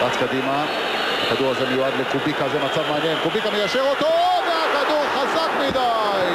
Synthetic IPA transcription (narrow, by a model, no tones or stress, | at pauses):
at͡skad̪ima | akad̪uʁazemejuad̪lekubikazemat͡savmeanje̞nkubikamejaʃeʁot̪odakad̪uʁχazakmid̪a | j